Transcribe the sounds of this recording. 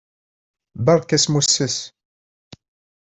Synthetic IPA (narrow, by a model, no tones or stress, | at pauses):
bɑɾˤkːæsmusːəs